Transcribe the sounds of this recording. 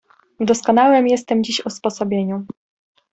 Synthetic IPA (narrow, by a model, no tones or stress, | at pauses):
vd̪ɔskɔnawɛmjɛst̪ɛmd͡ʑiɕɔspɔsɔbʲjeɲu